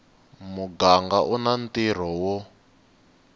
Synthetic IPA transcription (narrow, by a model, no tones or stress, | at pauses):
muɡaŋɡaʔunantiɾ̤ɔwɔ